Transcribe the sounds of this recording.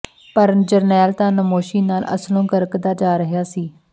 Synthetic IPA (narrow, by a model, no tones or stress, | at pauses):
pəɾd͡ʒəɾnɛːlt̪ãːnəmoːʃiːnaːlʔə̰slõːkəɾəkd̪aːd͡ʒaːɾəɦjaːsiː